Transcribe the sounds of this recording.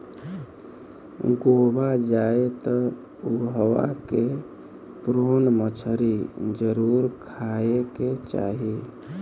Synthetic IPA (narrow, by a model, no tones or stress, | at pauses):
ɡobad͡ʒaet̪ɔ | uɦəʋa̰ke | pɾonmət͡ʃʰəɾid͡ʒəɾuɾkʰaeket͡ʃa̰ɦi